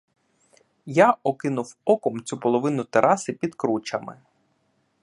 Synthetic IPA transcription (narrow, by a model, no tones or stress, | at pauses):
jaɔkɪnʊwɔkɔmt͡sʲupɔlˠɔʋɪnʊt̪eɾʔɑsɪpʲid̪kɾut͡ʃɐmɪ̰